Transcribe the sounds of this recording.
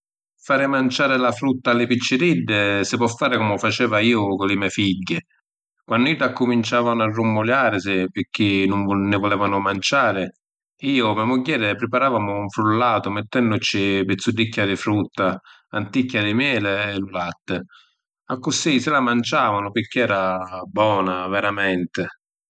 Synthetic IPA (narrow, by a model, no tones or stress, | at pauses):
faːɾɪmant͡ʃaːɾɪlafɾut̪ːalɪpit͡ʃːɪɾid̪ːɪsɪpɔfːaːɾɪkɔmʊfat͡ʃɛːvaiːʊkʊlɪmɛfiɟːɪ | kwanːʊid̪akːʊmint͡ʃaːvanʊarːumːʊljaːɾɪsɪpɪk̟ːɪnʊɱnːɪvɔlɛːvanʊmant͡ʃaːɾɪ | iːʊmɛmʊɟːɛːɾɪpɾɪpaɾaːvamʊuɱfɾulːaːt̪ʊmɪt̪ːɛnːʊt͡ʃɪpɪt̪sːud̪ːikːad̪ɪfɾut̪ːa | ant̪ikːad̪ɪmjɛːlɪːlulat̪ːɪ | akːʊsisɪlamant͡ʃaːvanʊpɪk̟ɪɛːɾabɔːnavɛɾamɛnt̪ɪ